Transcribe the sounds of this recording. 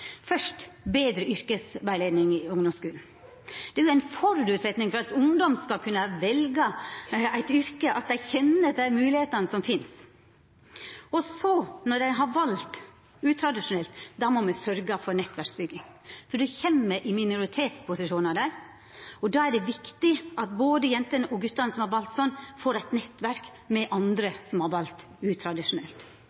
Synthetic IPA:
fœʂtbeːd̪ɾəʏɾkəsʋæɪleːd̪nɪŋɪʊŋd̪ʊmskʉːln̩ | d̪̥ɛæjʊæɪnfɔɾd̪ʉːt̪sɛt̪nɪŋfɔɾɑt̪ʊŋd̪ɔmskɑlkʰʉnːəʋɛlɡəæɪt̪ʏɾkəʔɑt̪̚d̪æɪçɛnːəd̪æɪmʉːlɪheːt̪ənəsɔmfɪns | ɔsɔnɔɖ̪æɪɦɑʋɑlt̪ | ʉːt̪ʰɾɑd̪ɪʂʊnɛlt̪d̪ɑmɔmæsœɾɡəfɔɾnɛt̪ːʋæɾksbʏɡːɪŋfɔɖ̪ɛçɛmːəɾʔɪmɪnʊɾɪt̪ʰeːt̪spʰʊsɪʂuːnɑd̪æɪ | ɔd̪ɑːæɖɛʋɪkt̪ɪʔɑt̪boːd̪əjɛnt̪ənəʔɔɡʉt̪ːɑnəsɔmhɑɾʋɑlt̪sɔnːfoːɾæɪt̪nɛt̪ːʋæɾk | mɛʔɑnd̪ɾəsɔmhɑɾʋɑlt̪ | ʉːt̪ʰɾɑd̪ɪʂʊnɛ̰lt̪

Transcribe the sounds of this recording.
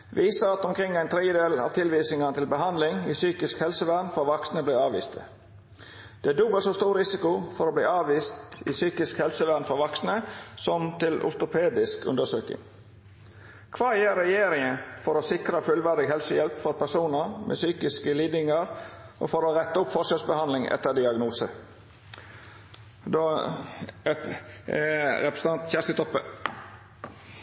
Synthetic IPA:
ʋʔiːsəɑt̪ɔmkʰɾɪŋːæɪnt̪ʰɾɛd̪jəd̪eːlɑ̰ːʋt̪ʰɪlʋiːsnɪŋənət̪ɪlbəɦɑnd̪lɪŋiːsyːkɪskhɛlsəʋæɾnfɔɾʋɑksnəbliːɑːʋḭːst̪ʰə̰ | d̪̥ɛæd̪ʊbəlsoːst̪uːɾɪsɪkʊfɔɾoːblḭːɑːʋiːst̪ḭːsyːkɪskhɛlsəʋæːɾnfɔʋɑksnəsɔmt̪ɪlʊ̰ɾt̪ʊpʰeːd̪ɪskʉ̰nd̪əsøːkɪ̰ŋ | kʰʋɑːjeːɾɛjeːɾɪŋənfɔɾoːsɪkɾəfʉlʋæɾd̪ɪɡhɛlsəjɛlpfɔɾpæsuːnəɾmʔɛ̰syːkɪskəliːd̪ɪŋəɾʔo̰fɔɾoːɾɛt̪ːəʊpfɔʂəsbəhɑnlɪŋʔɛ̰t̪ːəɾd̪ɪɑɡnuːsə | d̪oː | ɛɾɛpɾəsɑnt̪çæʂt̪ət̪ʰɔpːə

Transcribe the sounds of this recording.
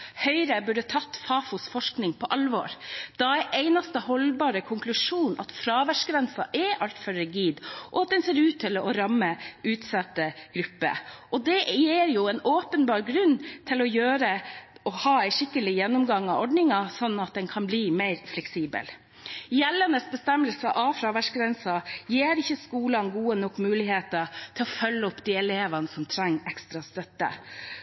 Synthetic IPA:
hœʏɾəbʉɖət̪ʰɑt̪ːfɑːfʊsfɔʂknɪŋpʰɔʔɑlʋɔ̰ːɾd̪̥ɑæʔeɪnɑst̪əhɔlbɑːɾəkʰʊŋklʉʂuːnʔɑ̰t̪fɾɑːʋæʂɡɾɛnsɑ̰ʔɛʔɑlt̪fœɾəɡiːd̪ʔɔɑt̪̚d̪ɛnseːɾʉːt̪ʰːɪlɔɾɑmːəʉːt̪sɑt̪ːəɡ̥ɾʉpːə̰ʔɔd̪ɛjeːɾjʊɛnoːpənbɑːɾɡɾʉnt̪ʰɪlɔjøːɾəʔɔhɑːæɪʂɪkːəlɪjɛnːʊmɡɑŋːɑɔɖnɪŋɑsɔnːɑt̪̚d̪ɛnkʰɑnbliːmæɪɾflɛksiːbə̰l | jɛlːənəsbəst̪ɛmːəlsəʔɑfɾɑʋæʂɡɾɛnsɑjeːɾɪçːəskuːlɑnɡuːənɔkːmʉːlɪɦeːt̪ət̪ʰɪlɔfœlːəɔpːd̪iːɛleːʋɑnəsɔmt̪ʰɾɛŋːɛkst̪ɾɑst̪œt̪ːə̰

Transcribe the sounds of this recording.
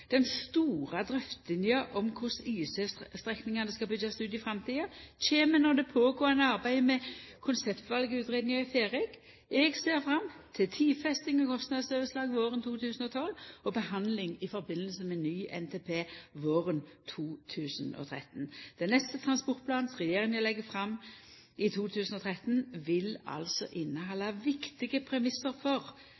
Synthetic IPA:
d̪̥ɛnst̪uːʁɑd̪ɾʏft̪lɪnjəʔɔmkʰʊsiːsəst̪ɾɛknɪŋɑnəskɑbʏd̪ɑst̪ʉːt̪ɪfʁɑmt̪ʰiːəc͡çeːmənɔd̪ɛpʰoːɡoːənəɑʁbæɪmɛkʰʊnsɛpt̪ʋɑlɡəʉːt̪ʁeːd̪nɪŋɑɪfeːʁɪk | ʔɛɡseːʁfʁɑmt̪ʰɪlt̪ʰiːfɛst̪ɪŋɔkʰɔst̪nɑd̪søːʋəslɑːɡʋoːʁənt̪ʰuːt̪ʰʉːsənɔt̪ʰɔlɔbəhɑnlɪŋɪfɔɾbɪnːəlsəmɛnːyːʔɛ̰nt̪ʰeːpʰeːʋoːʁənt̪ʰuːt̪ʰʉːsənɔ̰t̪ʰʁɛ̰t̪n̩d̪̥ɛnɛst̪ət̪ʰʁɑnspɔʁt̪pʰlɑːn̩sʁɛjeːʁɪŋəlɛɡːəfʁɑmː | ʔɪt̪ʰuːt̪ʰʉːsn̩ɔt̪ʰʁɛt̪nʋɪlɑ̰lsɔ̰ʔɪnːəɦɑlːɑʋɪkt̪ɪɡəpʰɾɛmɪsəɾfɔʁ

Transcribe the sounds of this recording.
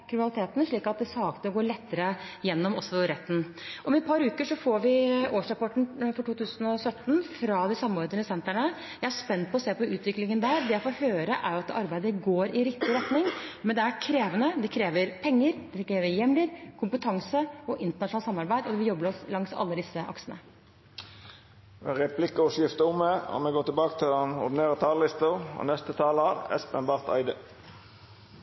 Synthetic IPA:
kʰɾɪmɪnɑlɪt̪eːt̪nʂɭiːkɑt̪̚d̪ɛsɑːkt̪əɔɡoːɭɛt̪ːəɾəjɛnːɔmɔsɔɾɛt̪ːn̩ | ʔɔmɛpʰɑɾʉːkəʂɔfoːɾʋɪoːʂɾɑpɔʈɳ̩fɔʈuːt̪ʉːsən̩ɔsœt̪ːn̩fɾɑd̪ɪsɑmːəoːɾd̪əɳəsɛnt̪æɳə | jæɪæʂpɛnt̪̚ːpʰɔːseːpɔʉːt̪ʰʋɪklɪŋənd̪æːɾd̪ɛjæɪfoːhøːɾəʔæɾjʊɑt̪̚d̪ɛʔɑɾbæɪd̪əɡoːɾʔɪɾɪkt̪ɪɾɛt̪nɪŋmɛnd̪ɛæɾkʰɾeːʋənəd̪ɛkʰɾeːʋəɾpʰɛŋːəɾd̪̥ɛkɾeːʋəɾjɛmlɪɾkʰʊmpət̪ʰɑŋsəɔʔɪnt̪əɳɑʂɳɑlsɑmːɑɾbæɪd̪ɔd̪ɛʋɪljɔbːəɾɔslɑŋsɑ̰lːəd̪ɪsːəʔɑ̰ksənə̰ | ʋeʁɛpʰlɪkəɔʂjɪft̪əʊmːəɑ̰mɛɡɔt̪ʰːɪbɑːkə̥t̪ʰɪlɑnɔ̰ʁd̪ɪneːʁət̪ʰɑːllɪst̪əʁɔ̰nɛst̪ət̪ʰɑːləɑʁɛ̰spɛnbɑʁt̪ʰæ̰ɪd̪ə

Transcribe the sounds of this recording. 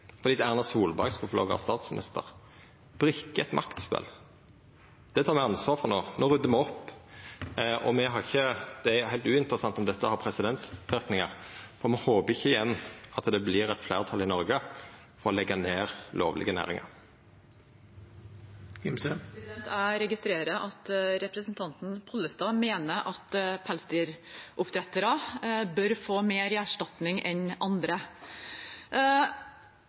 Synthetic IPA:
fɔʁd̪iːd̪æʁnɑsuːlbæ̰ɾɡspʰɔflo̰ːɡəɑ̰st̪ɑːt̪smɪnɪ̰st̪ə̰ʁ | b̥ɾʉkːəɛt̪mʔɑkt̪spɛ̰l | d̪̥ɛt̪ʰɑːʁmɛɑnsʋɑːʁfɔʁnoːnoːʁʉd̪əmɛɔpː | ʔɔ̰mɛɦɑʁɪçːəd̪̥ɛæɾhæɪlt̪ʉːɪnt̪əɾəsɑnt̪ɔmd̪ɛt̪ːəhɑɾpʰɾɛsɪd̪ɛnt̪sʋɪɾknɪŋɑʁfɔɾmɛhoːbəɪçːəɪjɛnːɑt̪d̪ɛblɪɾɛt̪flæːʁt̪ʰɑlɪnɔɾɡə | fɔɾɔlɛɡːɑneːʁlo̰ːʋlɪ̰ɡənæ̰ːɾɪ̰ŋɑ̰ɾ | ɪmsəd̪ɛnt̪ʰæɾɛɡɪst̪ɾeːɾəʔɑt̪ɾɛpɾəsn̩t̪ʰɑnt̪n̩pʰɔlːəst̪ɑːmeːnəʔɑt̪pʰælst̪ɪɾʔʊpt̪ʰɾɛt̪əɾɑbœɾfoːmeːɾæʂʈɑt̪nɪŋɛnɑnd̪ɾə

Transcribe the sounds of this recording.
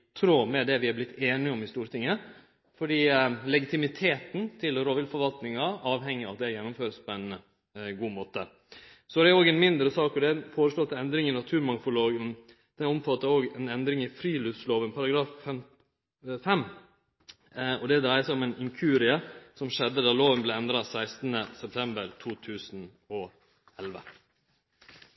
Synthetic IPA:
t̪ʰɾoːmɛd̪ɛʋɪhɑblɪt̪ʰːeːnɪɔmɪst̪uːɾt̪ʰɪŋːə | fɔɖiːlɛɡɪt̪ɪmɪt̪ʰeːt̪n̩t̪ʰɪlɾoːʋɪlfɔɾʋɑlt̪nɪŋɑɑːʋɦɛŋːɪɑ̰t̪̚d̪ɛɾjɛnːʊmføːɾəspʰɔɛɪn | ɡuːmoːt̪ə | sɔd̪ɛɾoːɡɛnmɪnd̪ɾəsɑːkɔd̪ɛfoːɾəsloːt̪ːɛnd̪ɾɪŋɪnɑt̪ʰʉːɾmɑŋfʊloːɡən | d̪̥ɛnɔmfɑt̪ːəɾoːɡɛnɛnd̪ɾɪŋɪfɾiːlʉfsloːʋənpʰɑɾɑɡɾɑːffɛm | fɛmː | ɔd̪ɛd̪ɾæɪəsæɪɔmɛnɪŋkʰʉːɾɪəsɔmʂɛd̪ːəd̪ɑloːʋənblɛɛnd̪ɾɑsæɪst̪nəsɛp̚t̪ʰɛmbəɾt̪ʰuːt̪ʰʉːsn | ɔ | ɛlʋə̰

